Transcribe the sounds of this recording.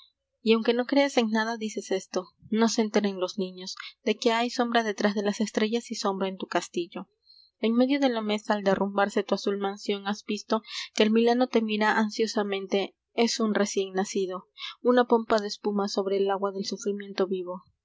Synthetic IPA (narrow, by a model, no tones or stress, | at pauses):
iawŋke̞no̞kɾe̞ase̞ŋnaðaðise̞se̞st̪o̞no̞seːnt̪eɾenlo̞znĩɲo̞zd̪̥e̞ke̞ajso̞mbɾaðe̞t̪ɾazðe̞lase̞st̪ɾe̞ʝasiso̞mbɾaent̪ukast̪iʝo̞ | e̞ŋme̞ðjo̞ðe̞lame̞saːld̪e̞rumbaɾse̞t̪uasulmansjo̞ŋazbist̪o̞ke̞ːlmilano̞t̪e̞miɾaʔansjo̞samẽ̞nt̪e̞ | e̞sunre̞sje̞ŋnasiðo̞unapo̞mpaðe̞ːspumaso̞βɾe̞ːlaɣwaðe̞lsufɾimje̞nt̪o̞βiβo̞